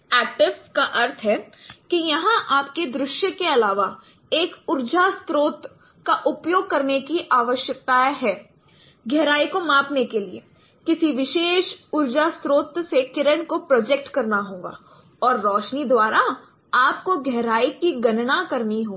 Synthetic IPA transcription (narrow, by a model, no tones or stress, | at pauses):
ɛːk̚ʈɪʋskaʔɐɾt̪ʰɦɛːkijɐɦãʔaːpked̪ɾʊʃjəkeɐlaːʋa | eːkʊɾd͡ʒast̪ɾoːt̪ | kaʔʊpjoːɡ̚kɐɾnekiʔaːʋəʃjək̚t̪aɦɛː | ɡʱɛɦɾaːikomãːpnekeliḛ | kɪsiʋɪʃeːʃʊɾd͡ʒast̪ɾoːt̪sekɪɾəɳ̃kopɾoːd͡ʒek̚ʈkɐɾnaɦõːɡa̰ː | ɔːɾːɔːʃnid̪waːɾa | aːpkoɡʱɛɦɾaːikiɡɐnnakɐɾniɦoː